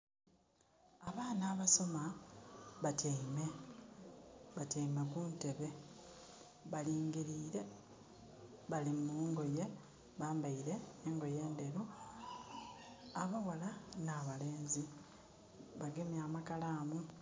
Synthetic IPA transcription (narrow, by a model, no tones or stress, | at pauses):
aβaːnaːβaso̞ma | βatʰeime̞ | βateimekunte̞βe̞ | βaliːŋɡiɾiːɾe̞ | βalimuːŋɡo̞je̞ | βaːmbaiɾe̞ːŋɡo̞je̞ːnde̞ɾu | aβawalanaːβale̞ːnzi | βaɡemjaːmakalaːmu